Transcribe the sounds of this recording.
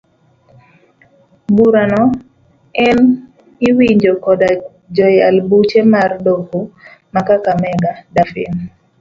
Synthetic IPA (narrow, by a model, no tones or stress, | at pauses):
buɾanɔ | ɛn | ɪwiɲd͡ʒokɔda | d͡ʒɔjalbut͡ʃemardoko | makakamɛɡadafḭn